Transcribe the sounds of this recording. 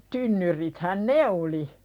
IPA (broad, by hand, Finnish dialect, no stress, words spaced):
tynːyrithæn ne oli